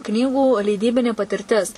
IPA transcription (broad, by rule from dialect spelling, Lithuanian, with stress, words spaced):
ˈknʲiːɡuː lʲɛɪˈdʲiːbʲɪnʲeː pɐtʲɪrʲˈtʲɪs